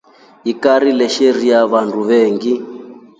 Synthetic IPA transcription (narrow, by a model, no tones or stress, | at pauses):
ɦikaɾilɛʃeɾiaβandʱuβeːŋɡi